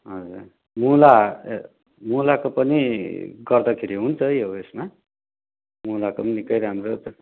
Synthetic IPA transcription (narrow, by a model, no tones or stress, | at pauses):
ɦʌd͡zur | mula | mulakopʌniɡʌrd̪ʌkʰeɾiɦunt͡sʰʌjɦoesma | mulakopʌnikʌjɾɦamro